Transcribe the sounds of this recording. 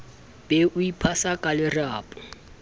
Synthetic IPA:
b̥ɛʔʊipʰasakʼalɪrɪaːpʼɔ̥

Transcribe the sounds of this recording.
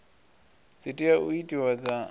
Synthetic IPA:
d͡zitʼiaʔuitʼiwad͡za

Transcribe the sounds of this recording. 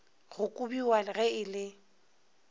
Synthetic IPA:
ɣʊkʼubiwalɣɛɪlɪ

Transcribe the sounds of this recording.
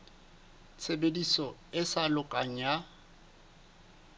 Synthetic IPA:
t͡sʰebedisɔɪsalʊkʼaŋ̩ja

